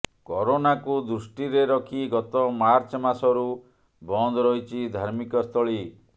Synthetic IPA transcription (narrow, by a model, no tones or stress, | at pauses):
kɔɾonakud̪ɾusʈiɾeɾɔkʰiɡɔt̪ɔmaɾt͡ʃɔmasɔɾu | bɔnd̪ʱɔɾɔjt͡ʃʰid̪ʱaɾmikɔst̪ʰɔɭi